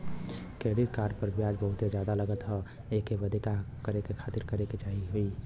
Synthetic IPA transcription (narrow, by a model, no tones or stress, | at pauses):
keɽit̪kaɾpəɾbjad͡ʒbəɦut̪ed͡ʒad̪aləɡət̪ɦə | ekeʋəd̪ʱikakəɾekekʰat̪iɾkəɾeket͡ʃaɦiɦoi